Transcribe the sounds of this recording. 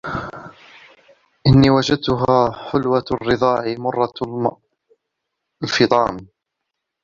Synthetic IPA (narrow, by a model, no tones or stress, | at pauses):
ʔɪnːiːwad͡ʒad̪̚t̪ʊɦaːħʊlwarːɨðˤɑːʕɪmʊrˤːɑ | lfɨt̪ˤɑ̰ːm